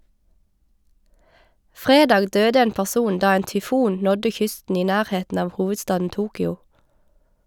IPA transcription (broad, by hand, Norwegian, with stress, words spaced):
ˈfʁeːdɑːɡ ˈdøːdə ˈeːn pæʁˈsuːn ˈdɑː ˈeːn tʏˈfuːn ˈnɔdə ˈçʏstn̩ ˈiː ˈnæːʁˌheːtn̩ ˈɑːʋ ˈhuːʋədˌstɑːdn̩ ˈʔtuːkʏʊ